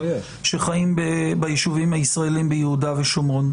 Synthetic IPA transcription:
ʃe̞χaimbebajiʃuvimhaisʁae̞limbejehudaveʃomon

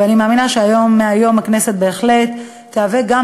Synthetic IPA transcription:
eanimaːminaʃeajo̞mːeajo̞makne̞se̞t̪̚be̞ːχle̞t̪ː | eaveɡa

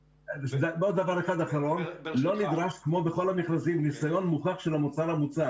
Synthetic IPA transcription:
zabod̪davaʁeχad̪aχaʁo̞nlo̞nid̪ʁaʃkmo̞beχo̞lamiχlazimnisajo̞nmuχaχʃelamut͡salamut͡sa

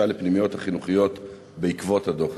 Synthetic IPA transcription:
alepnimijo̞thaχinuχijo̞t̪ | be̞ikvo̞thado̞χ

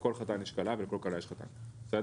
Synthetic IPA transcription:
kolχat̪aniʃkalavelkolkaɾaiʃχat̪a̰nsa

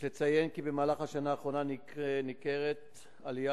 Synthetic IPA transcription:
let͡sajenkibemaːlaχhaʃanaːχʁo̞nani | nikeʁet̪ | alija

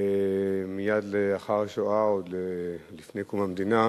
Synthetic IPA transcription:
emijad̪leaχaʁaʃoaod̪lelifne̞jkomamd̪ina

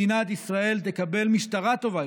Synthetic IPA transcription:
inat̪issʁae̞lt̪e̞kabe̞lmiʃt̪aʁat̪o̞va

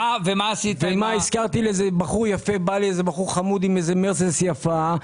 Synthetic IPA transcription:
avemaːsivemaiskaʁt̪ilezebaχuʁjafe̞baliezebaχuʁχamud̪imezemeʁsesjafa

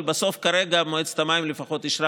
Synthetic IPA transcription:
lbaso̞fkaɾe̞ɡamoet͡st̪amajimlefaχo̞t̪iʃɾa

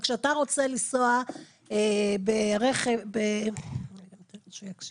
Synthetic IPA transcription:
kʃeataʁo̞t͡selisoa | ebeʁeχevbe | iamt̪eʃujakʃ

